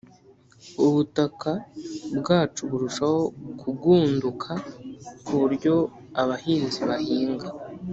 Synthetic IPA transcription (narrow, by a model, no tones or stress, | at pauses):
uβutakabɡaːt͡ʃuβuɾuʃaho̞kʰuɡuːndukʰakʰuβuɾɟo̞ | aβahiːnziβahiːŋɡa